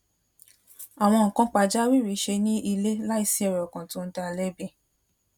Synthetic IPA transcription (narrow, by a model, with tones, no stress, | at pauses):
a˨w̃ɔ̃˧ŋ̩˨kã˨˦k͡pa˧d͡ʒa˦wi˦˨ɾi˨˦ʃe˧nĩ˦ʔi˧le˦la˦i˦˧˨si˧˦ɛ˨ɾɛ˨ɔ˨kã˨tõ˦n̩˦ta˧lɛ˦be˦˨